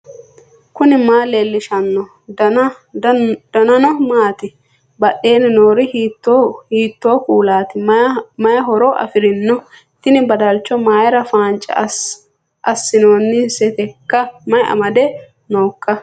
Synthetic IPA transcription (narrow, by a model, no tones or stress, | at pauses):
kʊnɪmaːleːlːɪʃɐnːɔ | d̪̥ɐnɐnɔmaːt̪ɪ | bɐɗːe̞ːnɪnoːɾɪhit̪ːhiːt̪ːo̞ːkʼuːlaːt̪ɪmɐjɐɦɔɾɔʔɐ̰fɪɾɪnːɔ | t̪ɪnɪbɐd̪ɐlt͡ʃːɔmaːjɐɾɐfaːnt͡ʃʼːɐ̰ | ʔɐsːɪno̞ːnːɪsɛt̪ɛkːɐmɐjɐ̰mɐd̪ɛ | no̞ːkːɐ